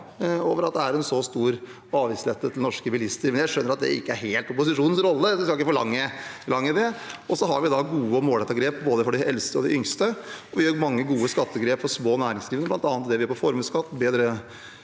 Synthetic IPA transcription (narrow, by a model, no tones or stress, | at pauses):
oːʋəɾɑt̪̚d̪ɛæɾɛnsɔst̪uːɾ | ɑːʋiːsleːt̪ːət̪ʰɪlnɔʂkəʋɪlɪst̪əɾmɛnjæɪʂœnːəɾɑt̪̚d̪ɛ̰ɪ̰kːəæɾɦeːlt̪ʊpʊsɪʂuːnnsɾɔlːəd̪ɛskɑlɪkːəfɔɭɑŋːəlɑŋːəd̪ɛɔsɔɦɑɾʋɪd̪ɑɡuːəɔmoːlɛt̪ɑɡɾeːp̚boːd̪əfɔɖɪʔɛlst̪əɔd̪ɪʔʏŋst̪əɔʋɪhøːɾmɑŋːəɡuːəskɑt̪ːəɡɾeːpfɔɾʂmoːnæːɾɪŋsliːʋənəblɑnt̪ɑːnt̪̚d̪ɛʋɪhøːɾpʰɔfɔɾmʉːskɑt̪ːbeːd̪ɾə